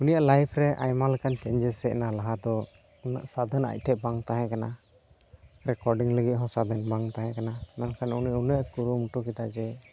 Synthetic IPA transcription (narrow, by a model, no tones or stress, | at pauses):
unijaʔlajpʰɾɛʔa̰jmalɛkant͡ʃɛɲd͡ʒɛsɛɛnalaɦad̪ɔ | una̰ʔsad̪əna̰c̚ˀʈʰɛʔbaŋt̪aɦɛ̃kana | ɾɛkɔɾɖiŋləɡit̪̚ɦɔ̃sad̪ənbaŋt̪aɦɛ̃kanamɛnkʰanuniaʔunəʔkuɾumuʈukid̪ad͡ʒɛ